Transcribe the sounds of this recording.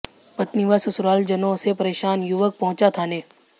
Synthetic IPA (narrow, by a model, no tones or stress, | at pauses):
pɐt̪niʋasʊsʊɾaːld͡ʒɐnõsepɐɾeːʃaːnjʊʋək̚pɐɦʊ̃t͡ʃat̪ʰaːneː